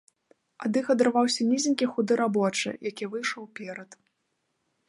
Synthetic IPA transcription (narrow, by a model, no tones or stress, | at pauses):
ad̪ɨxɐd̪ɾvawsʲɐnʲizʲinʲkʲixud̪ɨɾabɔt͡ʂɨ̰jakʲivɨjʂɔwpʲɛɾɐt̪